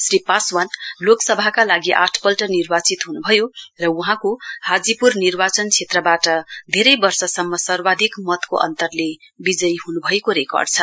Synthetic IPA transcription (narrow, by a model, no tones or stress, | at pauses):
sripaswanloksʌbʱakalaɡiʔa̰ʈʰpʌlʈʌnirbat͡sit̪ɦunubʱʌjorʌuɦãkohad͡zipurnirbat͡sʌnt͡sʰet̪rʌbaʈʌd̪ʱeɾʌjbʌrsʌsʌmːʌsʌrbad̪ʱikmʌt̪koʔʌ̰nt̪ʌrle | bid͡zʌjɦunubʱʌekoɾekʌ̰rɖt͡sʰʌ